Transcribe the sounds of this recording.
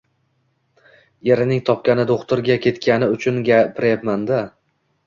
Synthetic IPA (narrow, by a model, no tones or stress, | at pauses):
e̞ɾɪnɪŋt̪ʰɒpkʲanɪd̪oχt̪ʊɾɡʲakʲʰe̞t̪kʲanɪʊt͡ʃʰʊnɡʲapʰɪɾɪjapmand̪a